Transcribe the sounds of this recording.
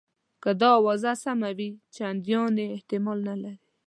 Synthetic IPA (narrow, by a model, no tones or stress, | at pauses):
kad̪ɑwazasamawit͡ʃeand̪jɑneːht̪ɪmɑlnalaɾi